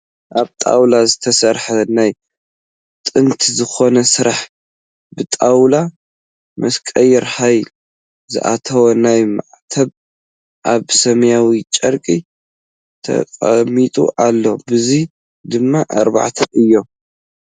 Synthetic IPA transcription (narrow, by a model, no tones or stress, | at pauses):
ʔaβt̪ʼa̰wlazɨt̪ʰɐsɐɾħɐnaj | t̪ʼɨnt̪ʰzɨxo̞nɐsɨɾaħ | bɨt̪ʼawla | mʔɐskʼɐjɛɾhajl | zɨ̰ʔa̰t̪ʰɐwɐnajma̰ʕt̪ʰɐβ | ʔaβsɐmjawit͡ʃʼɐɾkʼi | t̪ʰɐ̰kʼɐmit̪ʼṵʔalːo̞bɨzi | d̪ɨmːaʔaɾba̰ʕt̪ʰɐʔɨjːo̞